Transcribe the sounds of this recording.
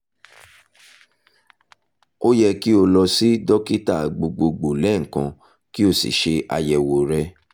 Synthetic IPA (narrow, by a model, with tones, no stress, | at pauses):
o˦jɛ˧ki˦o˧lɔ˧si˦dɔ˦ki˦ta˦˨ɡ͡bo˧ɡ͡bo˧ɡ͡bo˨lɛ˨˦ŋ̩˨kã̰˧ | ki˦o˦˨sḭ˨ʃe˧ʔa̰˧jɛ˨wo˨ɾɛ˦